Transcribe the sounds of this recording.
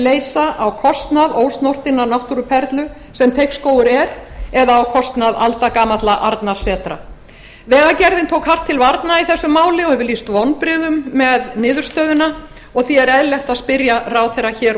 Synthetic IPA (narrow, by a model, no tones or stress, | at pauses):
leːjsaʔawkʰɔst̪naðoːwst̪nowr̥t̪ɪnːanawht̪uɾʏpʰɛɾt̪lʏ | sɛmt̪ʰejhkskoːwʏɾɛɾɛðaːwkʰɔst̪naða̰lt̪akaːmat̪laʔaɾt̪naɾ̥sɛːt̪ɾa̰ | vɛːɣacɛɾðɪnt̪ʰoːwkhar̥t̪ʰːɪlvaɾt̪naiθɛsːʏmaːwlɪɔhɛvʏliːst̪vɔnpɾɪːðʏmːɛðnɪːðʏɾ̥st̪œːðʏna | ɔɣθiɛɾɛðlɛht̪aðspɪɾjaraːwθejrːaçɛːɾ